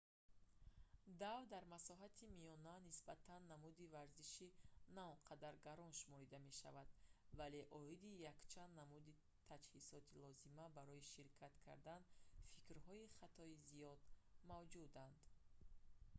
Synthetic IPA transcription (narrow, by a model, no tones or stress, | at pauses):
d̪avd̪aɾmasɔɦat̪ʰimijɔnanisbat̪ʰanːamud̪ivaɾziʃinaɔnqʰad̪aɾɡaɾɔnʃumɔɾid̪ame̞ʃa̰vad̪̥vale̞ʔɔid̪ijakt͡ʃʰand̪namud̪i | t̪ʰad͡ʒhisɔt̪ʰilɔzimabaɾɔiʃiɾkʰat̪kʰa̰ɾd̪anfikɾhɔiχat̪ʰɔizijɔd̪̥mavd͡ʒud̪and̪